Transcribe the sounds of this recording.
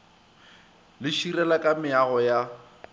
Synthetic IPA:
lɪʃiɾɛlakʼamɪaɣɔja

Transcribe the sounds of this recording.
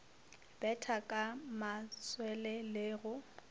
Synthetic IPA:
b̥ɛtʰakʼamaswɛlɛlɪːɣʊ

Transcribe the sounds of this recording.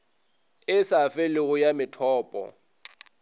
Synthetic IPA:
ɪsafɪlɪɣʊjamɪtʰɔːpʼɔ̰

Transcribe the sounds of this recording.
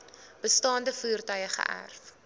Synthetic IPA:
b̥əstɑːndəfuːərtœjəχə̰ʔæ̰rf

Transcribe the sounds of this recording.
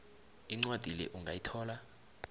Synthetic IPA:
iŋ͡ǀwad̥ʱilɛ̰ʔuŋɡʱajitʰɔːla

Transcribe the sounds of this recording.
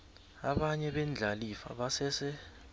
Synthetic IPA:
aɓaɲɛɓend͡ɮʱalifa̰ɓasɛsɛ

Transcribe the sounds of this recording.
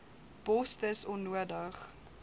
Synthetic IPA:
b̥ɔstəsɔnːuədəχ

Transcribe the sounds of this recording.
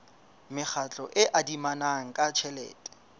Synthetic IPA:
mɪk͡xʰat͡ɬʼɔʔɪʔadimanaŋ̩kʼat͡ʃʰɛlɛ̰ːtʼɛ̥

